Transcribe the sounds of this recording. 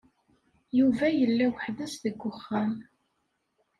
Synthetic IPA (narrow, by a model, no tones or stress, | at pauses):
juvæjəlːæwəħðəsðəɡʷːʊχːæm